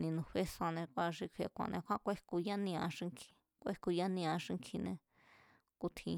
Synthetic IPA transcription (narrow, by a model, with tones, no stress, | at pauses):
nĩ˧nũ˧ɸe˦sã˧nẽ˧kʷa˧ʂi˧kʰʷe˧˨˧kʷã̰˨˧˨nʔẽ˧kʰʷã˦kʷe˦ku˧ja˦nĩ˧ã˧ʂi˧ŋkʰi̥˧ | kʷe˦ku˧ja˦nĩ˧ã˧ʂi˧ŋkʰi˧nẽ˧ | ku˧t̪ʰĩ˧